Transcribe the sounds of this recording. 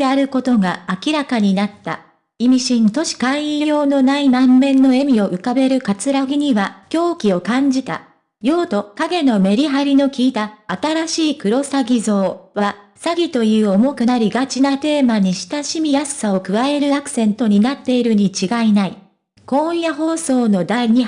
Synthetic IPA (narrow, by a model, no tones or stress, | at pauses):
eaɾɯ̟ko̞t̪o̞ɡaːkʲiɾakaɲ̟inat̪ːa̰ | imʲiɕĩnt̪o̞ɕi̥kãijjo̞ːno̞nainãmːẽ̞nːo̞e̞mʲio̞ʔɯ̟kabe̞ɾɯ̟kat͡sɨɾaɡʲiɲ̟iβakʲo̞ːkʲio̞kãɲ̟d͡ʑit̪a̰ | jo̞ːt̪o̞kaɡe̞no̞me̞ɾʲiɦaɾʲino̞kʲiːt̪aːt̪aɾaɕiːkɯ̟ɾo̞saɡʲizo̞ːβasaɡʲit̪o̞jɯ̟ːo̞mo̞kɯ̟naɾʲiɡat͡ɕinat̪e̞ːmaɲ̟iɕi̥t̪aɕimʲijasɨ̥sao̞kɯ̟βae̞ɾɯ̟akɯ̥sẽ̞nt̪o̞ɲ̟inat̪ːe̞iɾɯ̟ɲ̟it͡ɕiɡainai | kõ̞jaɦo̞ːso̞ːno̞d̪aiɲ̟i